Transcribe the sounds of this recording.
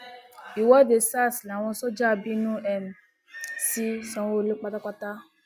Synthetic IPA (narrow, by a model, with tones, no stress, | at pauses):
i˨wɔ˦˨de˨sa˦˨sla˨w̃ɔ̃˧sɔ˦d͡ʒa˦˨bi˦nũ˦ɛ˦˨m˨ | si˦sɔ̃˧˦wo˦le˦k͡pa˦ta˦k͡pa˦ta˦